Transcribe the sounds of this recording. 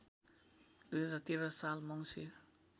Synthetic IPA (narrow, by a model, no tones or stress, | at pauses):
d̪̥ujɦʌd͡zat̪iɾʌsalmʌŋsʰi